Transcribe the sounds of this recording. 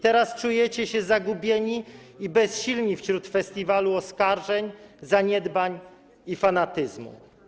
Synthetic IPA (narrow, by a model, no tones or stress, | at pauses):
t̪ɛɾast͡ʂujɛt͡ɕɛɕɛzaɡubʲjɛɲiibɛsɕilɲifɕɾut̪fɛst̪ʲivaluɔskaɾʐɛɲzaɲɛd̪baɲ | ifanat̪ɘzmṵ